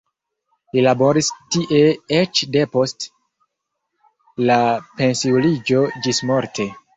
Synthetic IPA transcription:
lilabo̞ɾistiʔe̞et͡ʃde̞po̞st | lape̞nsiulid͡ʒo̞d͡ʒismoɾtʰe̞

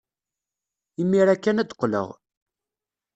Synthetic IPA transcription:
imːiɾækːænæd̪qːlə̰ʁ

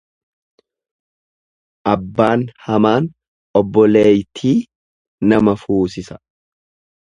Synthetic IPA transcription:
ʔɐbːaːnhɐmaːn | ɔbːɔleːjt̪ʰiː | nɐmɐfuːsɪsɐ̥

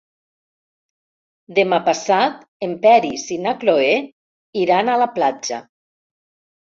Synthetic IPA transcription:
d̪emapasat̪empɛɾisinakloe | iɾanalaplad͡ʒa̰

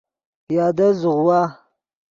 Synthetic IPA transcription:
jadazuɣuwa

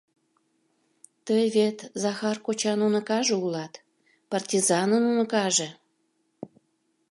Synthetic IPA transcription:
t̪əjβet̪zɑxɑrkot͡ɕɑnunə̆kɑʒeulɑt̪ | pɑrtʲizɑnənunə̆kɑʒe

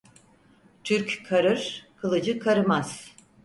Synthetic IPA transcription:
t̪ʰyɾkkʰaɾɯɾ̥kʰɯlˠɯd͡ʒɯkʰaɾɯmaz̥

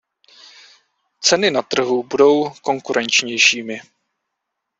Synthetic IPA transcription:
t͡sɛnɪnat̪r̩ɦubudo̞wko̞ŋkuɾʔɛnt͡ʃɲɛjʃiːmɪ

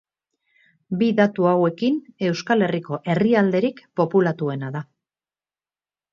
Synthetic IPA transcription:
biðat̪uawe̞kine̞wskale̞riko̞ʔe̞riald̪e̞ɾikpo̞pulat̪ue̞naða

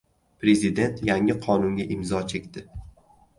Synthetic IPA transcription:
pɾe̞zɪd̪e̞nt̪ʰjaŋɪqʰɒnʊŋɡʲaʔɪmzɒt͡ʃʰe̞kʲt̪ɪ

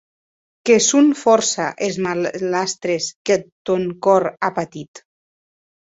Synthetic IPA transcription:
kesunfɔɾsaʔezmalast̪ɾesket̪oŋkɔɾapat̪it̪

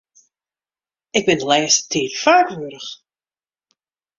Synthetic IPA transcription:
ɪɡ̚bɪnəlɛːstʰiːtfaɹkʋuəɾəχ

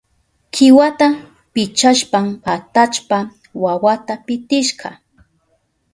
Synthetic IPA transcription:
kʰɪwat̪a | pɪt͡ʃaʃpamat̪at͡ʃpa | wawat̪apɪt̪ɪʃɢɑ̰

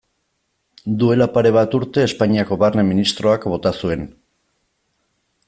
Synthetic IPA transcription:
d̪ue̞lapaɾe̞βat̪uɾt̪e̞ːspaɲiako̞βarneminist̪ɾo̞akbo̞t̪asue̞n

